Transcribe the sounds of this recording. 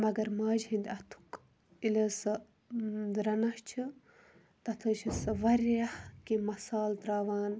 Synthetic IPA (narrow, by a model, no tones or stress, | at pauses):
mɐɡɐɾmaːd͡ʒɦĩnd̪ʲɐt̪ʰu̥k | iləsɨ | ɾɐnɐht͡ʃʰɨ | t̪ɐt̪ʰəːt͡ʃʰisɨʋɐɾahkimɐsaːld̪ɾaːʋaːn